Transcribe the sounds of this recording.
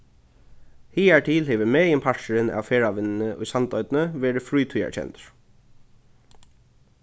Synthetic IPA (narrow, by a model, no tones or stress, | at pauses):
hiːæɹʈʰiːlheːʋɪmeːjɪmpʰaɹʃəɾɪnæ̰ʋfeːɹaʋɪnːɪnəʔʊ̰jsant̪ɔʏt̪nəʋɛːɾɪfɹuːt̪ʰujæ̰ɹt͡ɕʰɛ̰nt̪ɹ̥